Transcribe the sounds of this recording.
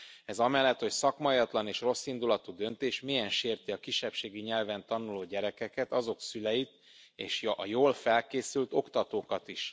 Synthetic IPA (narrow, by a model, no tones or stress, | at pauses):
ɛzɒmɛlːɛt̪ho̞csɒkmɒjɒt̪lɒneːʃro̞sːind̪ulɒt̪ud̪ø̞nt̪eːʃmijɛnʃeːrt̪iɒkiʃːɛpʃeːɡiɲɛlvɛnt̪ɒnuloːɟɛɾɛkɛkɛt̪ɒzo̞ksylɛjit̪ | ḛːʃɒjoːlfɛlkeːsylt̪o̞kt̪ɒt̪oːkɒt̪iʃ